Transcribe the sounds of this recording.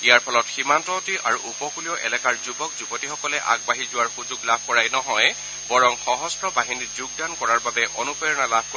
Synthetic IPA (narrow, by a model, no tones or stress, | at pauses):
ijaɹpʰɔlɔtximantɔtiʔa̰ɹuʔupɔkulijɔʔɛ̰lɛkaɹzubɔk̚zubɔtixɔkɔlɛʔa̰ɡ̚baɦizʊwaɹxuzuɡlabʱkɔɹajnɔɦɔj | bɔɹɔŋxɔɦɔstɹɔbaɦinizuɡ̚dankɔɹaɹbabɛʔɔnupɔjɔnalabʱk